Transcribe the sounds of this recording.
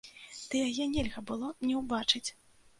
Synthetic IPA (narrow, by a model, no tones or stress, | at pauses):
d̪̥ɨjajɛnʲɛlʲɣɐbɨlˠɔnʲɛwbat͡ʂɨt͡sʲ